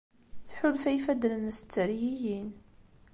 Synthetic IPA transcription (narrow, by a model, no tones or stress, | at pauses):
θħʊlfæjfæd̪lənst͡sːəɾijijin